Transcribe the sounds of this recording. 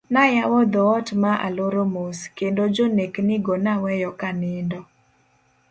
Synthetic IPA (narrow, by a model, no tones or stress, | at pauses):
najawɔd̪ɔɔtmaʔa̰loɾomoskendod͡ʒoneknɪɡɔnawɛjɔkanɪndɔ